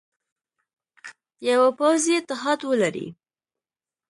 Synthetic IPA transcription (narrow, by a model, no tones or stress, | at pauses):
jawapawziet̪ɪɦɑd̪wəlaɾḭ